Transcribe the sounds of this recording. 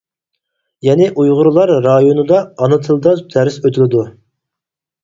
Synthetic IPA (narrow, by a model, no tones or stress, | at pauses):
jɛnɪʔujʁʊɾlˠɑɾːɑjonɨd̪ɑːnɨt̪ʰɨlˠd̪ɑt̪ʰæɾɪsøt̪ʰɪlɪd̪u